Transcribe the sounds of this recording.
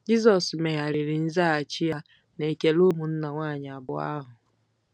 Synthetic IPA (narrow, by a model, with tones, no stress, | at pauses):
d͡ʒi˦zɔ˨sme˨ɦa˨ɾɪ˨ɾɪ˨n̩˦za˦a˨t͡ʃɪ˦ja˦ | ne˨ke˨lu˦mu˨n̩˦na˨ŋʷaː˦˨ɲɪ˨a˨bʊ˨a̰˦ɦʊ˨